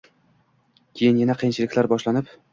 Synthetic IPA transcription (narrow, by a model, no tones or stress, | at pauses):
kʲʰejɪnjanaqʰijnt͡ʃʰɪlɪkʲlaɾbɒʃlanɪp